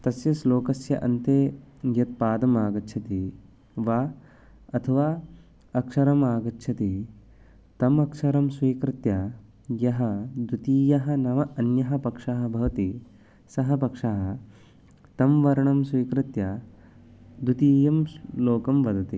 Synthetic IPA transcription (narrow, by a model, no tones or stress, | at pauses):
t̪ɐsjɐsloːkɐsjɐ̰ʔɐ̰nt̪eːɡjɐt̪̚paːd̪ɐmaːɡɐtːt͡ʃʰɐt̪i | ʋaː | ɐt̪ʰɐʋaː | ɐkʂɐɾɐmaːɡɐtːʃʰɐt̪i | t̪ɐmɐkʂɐɾɐmsʋiːkɾɪt̪jɐ | jɐɦɐd̪ut̪iːjɐɦɐ̆nɐmɐɐnjɐɦɐ̆pɐkʂaːɦɐbʱɐʋɐt̪i | sɐɦɐpɐkʂaːɦɐ | t̪ɐmʋɐɾɐɳɐmsʋiːkɾɪt̪jɐ | d̪ut̪iːjɐmloːkɐmʋɐd̪ɐt̪i